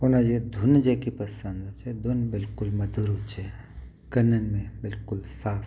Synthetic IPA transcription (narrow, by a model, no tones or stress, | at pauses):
ʊnãd͡ʒed̪ʱʊnd͡ʒekipəsə̃nd̪at͡ʃed̪ʱʊnbɪlkʊlmɐd̪ʱuɾɦut͡ʃe | kənːənmẽbɪlkʊlsaːpʰ